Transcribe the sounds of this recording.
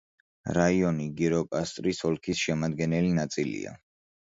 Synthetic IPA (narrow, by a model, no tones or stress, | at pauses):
ɾaiɔniɡiɾɔkʼast̪ʼɾisɔlˠkʰisʃɛmad̪ɡɛnɛlinat̪sʼilḭa̰